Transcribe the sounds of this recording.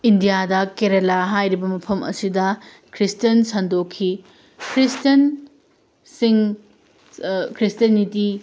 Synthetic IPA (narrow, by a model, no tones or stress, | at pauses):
indijadɐkeɾelaɦajɾibɐmɐpʰɐmʔɐ̰sidɐ | kʰɾistɐnsɐndokʰːi | kʰɾistɐn | siŋ | kʰɾistɐniti